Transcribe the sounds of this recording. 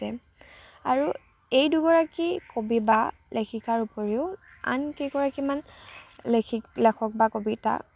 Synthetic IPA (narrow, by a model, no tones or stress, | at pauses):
ɛ | a̰ɹu | ejduɡɔɹakikobiba | lʔekʰikaɹupoɹiʊa̰nkeɡɔɹakimanlekʰilɛkʰɔk̚bakobita̰